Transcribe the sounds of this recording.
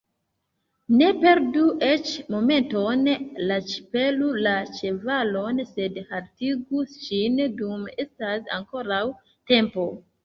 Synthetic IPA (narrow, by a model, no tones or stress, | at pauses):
ne̞pe̞ɾduʔe̞t͡ʃmo̞me̞nto̞nlat͡ʃi̥pe̞lulat͡ʃe̞valo̞nse̞dhaltiɡuʃindume̞stasa̰ŋko̞ɾaw | te̞mpo̞